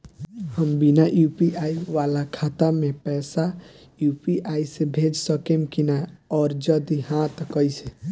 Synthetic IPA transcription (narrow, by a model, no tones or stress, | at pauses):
həmbinaʔjupiʔaiʋalakʰat̪amẽpɛsa | jupiʔaisebʱed͡ʒsəkemkinaɔːɾd͡ʒəd̪iɦãt̪kəjsʰẽ